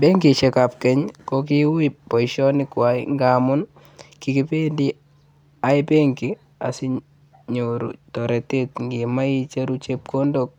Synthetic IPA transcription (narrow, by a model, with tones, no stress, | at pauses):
be˦ŋɡi˨t͡ʃɛ˨ka˨p̚kɛ˦ɲkoki˦wipɔ˨iʃɔ˦nɪ˦kwaiŋɡa˨mʊ˦n | ki˨ki˦pe˦ndi | a˨ipe˦ŋɡi˨ | a̰˨si˦ | ɲoɾṵ˨tɔ˨ɾɛ˨te˦tŋɡi˨ma˦i˦t͡ʃe˦ɾut͡ʃep̚ko˦ndok̚